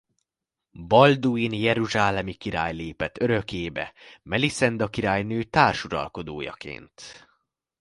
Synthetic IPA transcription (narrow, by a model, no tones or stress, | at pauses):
bɒld̪uinjɛɾuʒaːlɛmikiɾaːjleːpɛt̪ːø̞ɾø̞keːbɛ̰mɛlisɛnd̪ɒkiɾaːjnøːt̪aːrʃuɾɒ̰lko̞d̪oːjɒ̰kḛːnt̪